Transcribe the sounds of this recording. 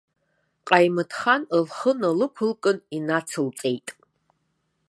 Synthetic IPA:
qʼajmɨtʰχanəlχənalɨkʷʰʊlkʼɨninat͡sʰɨlt͡sʼe̞jtʼ

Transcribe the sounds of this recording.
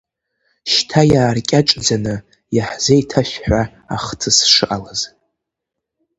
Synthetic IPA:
ʃtʰajaːrkʲʼaʈ͡ʂʼd͡zanɨ | jaħz̥ejtʰaʃᶣħʷᶣa | a̰χtʰɨsʂɨʔʼalaz

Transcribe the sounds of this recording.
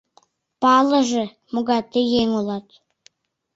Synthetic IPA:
pɑlə̆ʒĕ | muɣɑt̪ejeŋolɑt̪

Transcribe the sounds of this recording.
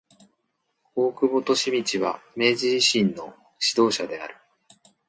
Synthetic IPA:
o̞ːkɯ̟bo̞t̪o̞ɕimʲit͡ɕiβa̰me̞ːʑiiɕĩnːo̞ | ɕid̪o̞ːɕad̪e̞a̰ɾɯ̟̥

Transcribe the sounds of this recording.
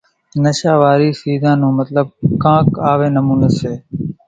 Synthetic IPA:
nəʃaːʋaːɾiːsiːzãːnũːmət̪ləb̚kãːkaːʋeːnəmũːnəseː

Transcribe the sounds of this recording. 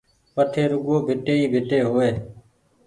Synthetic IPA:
ʋəʈʰeːɾʊɠoːbʱɪʈeːiːbʱɪʈeːɦoːʋeː

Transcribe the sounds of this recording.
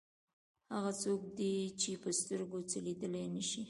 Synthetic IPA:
haɣat͡sokd̪it͡ʃepəst̪əɾɡot͡səlid̪əlenəʃi

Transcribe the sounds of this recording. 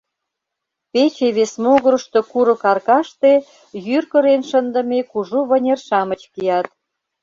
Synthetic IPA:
pet͡ɕeβesmoɣə̆ɾə̆ʃt̪okuɾə̆kɑrkɑʃt̪e | jyrkə̆ɾenʃənd̪ə̆mekuʒuβə̆nʲerʃɑmət͡ɕkijɑt̪̚

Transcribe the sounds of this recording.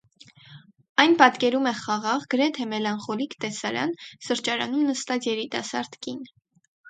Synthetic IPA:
ɑjnpɑt̪kɛɾumɛχɑʁɑʁɡəɾɛt̪ʰɛmɛlɑnχɔlikt̪ɛsɑɾɑ̰nsəɾt͡ʃɑɾɑ̰numnəst̪ɑt͡sjɛɾit̪ɑsɑɾd̪kin

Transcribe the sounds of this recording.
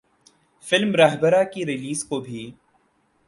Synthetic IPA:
fɪlmɾaɦbəɾakiɾɪliːskobʱi

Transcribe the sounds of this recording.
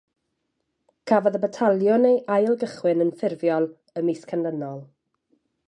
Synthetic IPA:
kʰavɔðəbətʰalˠjɔnejʔajlˠɡəχwɪnənfɪrvjɔlˠ | əmiskʰandənɔlˠ

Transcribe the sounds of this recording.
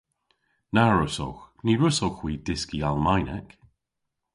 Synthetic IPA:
naɹʊso̰wxniːɹʊsowxwiːdɪskialˠmajnɛk

